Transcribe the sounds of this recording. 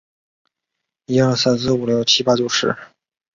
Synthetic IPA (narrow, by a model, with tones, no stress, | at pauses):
ji˧˥xɤ˥˩sa˥˩ns̬ɹ̩˥˩u˨˩ljo˥˩ʊt͡ɕʰi˥pa˥t͡ɕjo˥˧ʊʂɻ̩̰˥˧˥